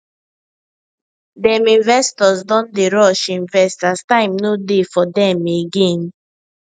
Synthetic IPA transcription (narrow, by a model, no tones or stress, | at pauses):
dɛ̃mĩnvɛstɔzdɔ̃ndeɹɔʃĩnvɛstastãɪ̃mnodefɔdɛmeɡẽn